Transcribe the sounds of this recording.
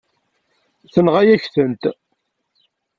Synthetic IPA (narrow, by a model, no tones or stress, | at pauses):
θənʁæjæçθənt̪